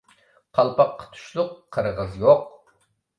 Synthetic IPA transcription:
qʰɑlˠpɑqʰːə̥t̪ʰu̥ʃlˠʊqʰːəɾʁəzjoq̚

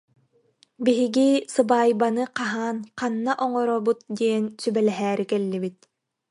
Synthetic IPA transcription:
biɦiɡisɯbaːjbanɯqaɦaːnqanːaʔɔŋɔɾɔbut̪̚d̪iɛnsybɛlɛɦɛːɾikɛlːibit̪̚

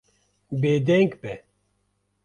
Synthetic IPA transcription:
beːd̪ɛŋɡbɛ

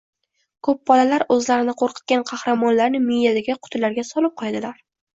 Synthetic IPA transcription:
kʰɵp̚bɒlalaɾɵzlaɾɪnɪqʰoɾqʰɨ̥t̪̚kʲanqʰɑhɾamɒnlaɾnɪmɪjjad̪aɡʲaqʰʊ̥t̪ʰɪlaɾɡʲasɒlˠɪp̚qʰɒjad̪ɪlaɾ

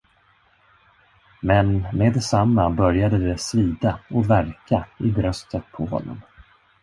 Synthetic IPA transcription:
mɛnmeːd̪ɛsamːabœɾjad̪əd̪ɛsviːd̪aɔvæɾkaɪbɾœst̪ʰət̪pʰɔhɔ̰nːɔ̰m

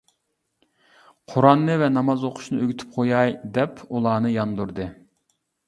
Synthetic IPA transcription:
qʰoɾɑnːɨvɛnɑmɑzoqʰʊ̥ʃnɨøɡʲyt̪ʰy̥p̚qʰojɑjd̪ɛpʰulˠɑːnɨjɑnd̪uɾd̪ɨ

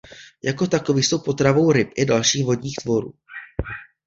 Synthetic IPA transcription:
jako̞t̪ako̞viːxso̞wpo̞t̪ɾavo̞wɾɪpʔɪdalʃiːxvo̞dɲiːxt̪vo̞ɾṵː

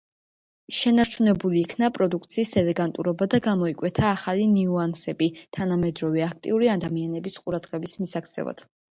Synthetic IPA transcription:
ʃɛnaɾt͡ʃʰunɛbuliːkʰnapʼɾɔd̪uk̚ʰt̪sʰiːsɛlɛɡant̪ʼṵɾɔbad̪aɡamɔikʼwɛt̪ʰaːχaliniuansɛbit̪ʰanamɛd̪ɾɔvɛak̚ʰt̪ʼḭuɾiad̪amianɛbisqʼuɾad̪ʁɛbismisak̚ʰt̪sʰɛ̰va̰d̪̥

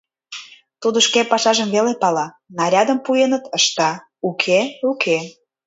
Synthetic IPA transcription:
t̪ud̪oʃkepɑʃɑʒəmβelepɑlɑ | nɑɾʲɑd̪ə̆mpujenət̪əʃt̪ɑ | ukʰeukʰe

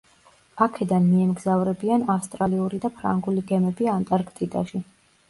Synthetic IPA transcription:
akʰɛd̪anmiɛmɡzavɾɛbianafst̪ʼɾaliuɾid̪apʰɾa̰ŋɡuliɡɛmɛbiant̪ʼaɾkʰʼt̪ʼid̪ʼa̰ʃi

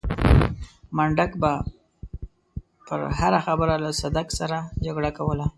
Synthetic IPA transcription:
maɳɖakba | pə̰ɾhaɾaxabəɾalasad̪aksaɾad͡ʒaɡɽakawəla

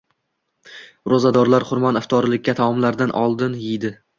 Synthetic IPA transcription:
ɾozad̪ɒɾlaɾχʊɾmanaft̪ʰɒɾɪlɪkʲːat̪ʰaɒmlaɾd̪anʔɒ̰lˠd̪ɪnjɪjd̪ɪ

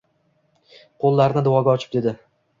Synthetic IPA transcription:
qʰolˠːaɾɪnɪd̪ʊwɒɡʲaɒt͡ʃʰɪ̥p̚d̪e̞d̪ɪ

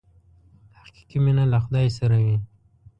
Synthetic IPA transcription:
haqi̥qiminalaxʊd̪ɑjsaɾawi

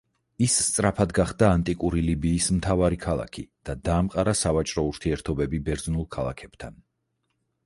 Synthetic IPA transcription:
isːt̪sʼɾapʰad̪ɡaχd̪aːnt̪ʼikʼuɾilibiːsmt̪ʰavaɾikʰalˠa̰kʰid̪̥ad̪aːmqʼaɾasavat͡ʃʼɾɔuɾt̪ʰiɛɾt̪ʰɔbɛbibɛɾznulˠkʰalˠa̰kʰɛb̥t̪ʰan

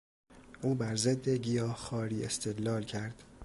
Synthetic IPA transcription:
ʔuːbæɾzed̪ːeɟijɒːhxɒːɾiːḛst̪ʰed̪lɒːlcʰæɾd̪̥

